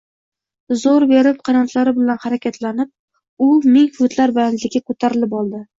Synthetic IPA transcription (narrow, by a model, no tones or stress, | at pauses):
zoɾbe̞ɾɪp̚qʰɑɾant̪ʰlaɾɪbɪlanhaɾakʲat̪ʰlanɪp̚ | ʊmɪŋhʊt̪ʰlaɾbɪanlɪɡʲakʰot̪ʰaɾɪlɪpɒlˠd̪ɪ